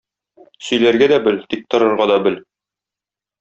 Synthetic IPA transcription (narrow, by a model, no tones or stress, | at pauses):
sɵ̆jlæɾɡæd̪æbɘlt̪ik̚t̪ɤ̆ɾɤ̆ɾʁɑd̪ɒbɘl